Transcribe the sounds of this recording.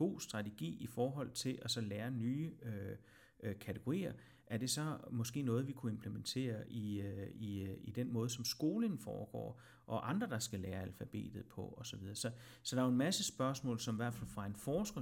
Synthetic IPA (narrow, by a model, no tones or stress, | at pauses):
b̥o̝̰ːsd̥ʁɑ̈t͡sʰeɡ̥ḭːifɒːɦɒ̽l̰t͡sʰe̝lʔæsɒ̽læːɐnyːø | kʰæt͡sʰeɡ̥o̝ʁḭːɐ | ʔæɐd̥e̝sɒ̽mɒ̽sɡ̥e̝̰ːnɔ̽ːð̞̩ˠʋikʰue̝mpʰlement͡sʰe̝̰ːɐʔiiid̥enmɔ̽ːð̞ˠsɒ̽msɡ̥o̝ːlənfɒ̰ːɡ̥ɒ̰ː | ʔɒ̽ʔɑ̈nd̥ʁɐd̥ɑ̈sɡ̥ælæːɐælfæb̥e̝̰ːd̥ð̩ˠpʰɒ̽ɒ̽sɒ̽ʋið̞ˠɐsɒ̽ | sɒ̽d̥ɑ̈æenmæsəsb̥ɶɐsmɔ̰ːlsɒ̽miʋæɐ̰d̥fæl̰fʁɑ̈e̝nfɒːsɡ̥ɐ